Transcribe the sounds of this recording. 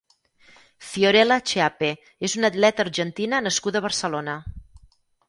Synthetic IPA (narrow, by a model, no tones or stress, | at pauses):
fioɾɛlət͡ʃeape | ezunət̪lɛt̪əːrʒənt̪inənəskud̪əβərsəlonə